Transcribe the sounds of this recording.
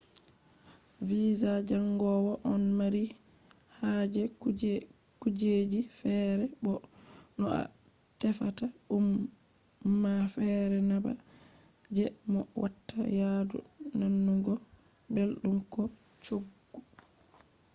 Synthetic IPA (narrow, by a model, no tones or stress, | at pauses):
viːzad͡ʒaŋɡɔwɔʔɔnmaɾi | had͡ʒɛ | kud͡ʒed͡ʒifɛɾɛbɔ | ɗɔa̰ | tɛfataumː | afɛɾɛnaba̰ | d͡ʒɛmɔwʔatːa̰jadṵ | nanːuɡɔ | belɗumkɔ | t͡ʃoɡːu